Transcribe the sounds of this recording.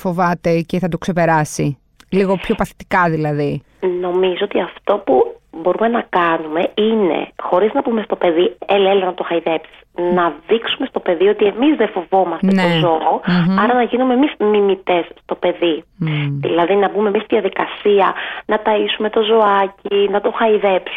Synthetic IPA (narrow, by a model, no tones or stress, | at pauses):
fo̞vɐt̪e̞ceθɐt̪okse̞pe̞ɾɐsi | liɣo̞pço̞pɐθi̥t̪i̥kɐðilɐði | no̞mizoot̪iɐft̪o̞pubo̞ɾume̞nɐkɐnume̞ine̞̰xo̞ɾiznɐbume̞st̪o̞pe̞ðielɐelnɐt̪oxɐjðe̞psi̥snɐðiksume̞st̪o̞pe̞ðio̞t̪ie̞mizðefo̞vo̞mɐsenneozooɐɾɐnɐʝinume̞mizmimit̪e̞sːt̪o̞pe̞ðiðḭlɐðinɐbumemist̪iðijɐðikɐsiɐnɐt̪ɐisume̞t̪o̞zo̞ɐcinɐt̪o̞xɐiðepsu